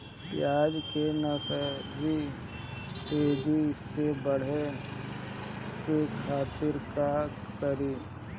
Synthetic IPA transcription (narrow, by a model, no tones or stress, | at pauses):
pjaːd͡ʒkenɐsəd͡ʒi | teːd̪ʱiɪsːebəɽ̤e | kekʰaːt̪ɪɾka | kəɾiː